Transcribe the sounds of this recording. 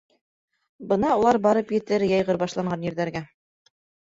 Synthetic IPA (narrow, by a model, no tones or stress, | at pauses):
bɤnɑulˠɑɾbɑɾɤpjɘ̆t̪ɘɾjɑjʁɤɾbɑʃlˠɑɴɢɑnjɘ̆ɾðæɾɡæ